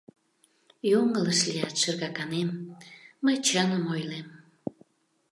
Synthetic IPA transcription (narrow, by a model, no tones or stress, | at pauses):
joŋələʃlijɑt̪ʃerɣɑkɑnemː | əjt͡ɕənəmojlem